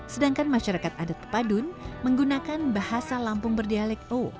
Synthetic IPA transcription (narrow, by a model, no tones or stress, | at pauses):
sədaŋkanmaʃaɾakat̪̚adat̪̚ə̥padʊnməŋɡunakanbahasalampʊŋbərdialɛko